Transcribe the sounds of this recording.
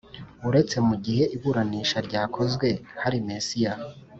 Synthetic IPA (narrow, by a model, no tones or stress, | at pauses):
uɾe̞t͡se̞muɟihe̞ʔiβuɾaniːʃaɾɟaːkʰo̞zɡwe̞haɾimesija